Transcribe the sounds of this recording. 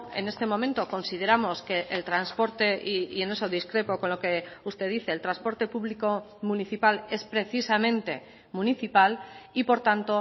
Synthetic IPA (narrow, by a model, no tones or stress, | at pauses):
e̞̰ne̞st̪e̞mõ̞ment̪o̞ko̞nsið̞e̞ɾamo̞ske̞ʔelt̪ɾanspo̞ɾt̪e̞ʔiie̞ne̞soðiskɾe̞po̞ko̞nlo̞keust̪e̞ðiθe̞ːlt̪ɾanspo̞ɾt̪e̞puβliko̞ | muniθipale̞spɾe̞θisamẽ̞nt̪e̞ | mũniθipalipo̞ɾt̪ant̪o̞